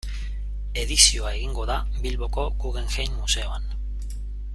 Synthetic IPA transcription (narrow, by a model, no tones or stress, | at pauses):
e̞ðisio̞ae̞ɣiŋɡo̞ða | bilβo̞ko̞kuɣe̞ŋxejnmuse̞o̞an